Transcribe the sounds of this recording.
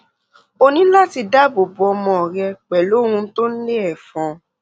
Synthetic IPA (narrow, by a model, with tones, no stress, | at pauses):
o˦˧nĩ˨˦la˦ti˧da˦bo˨bo˨˧ɔ˧mɔ̃˧ɔ˨ɾɛ˧k͡pɛ˨lo˨˦hũ˧˦to˦n̩˦le˦ɛ˨fɔ̃˨˦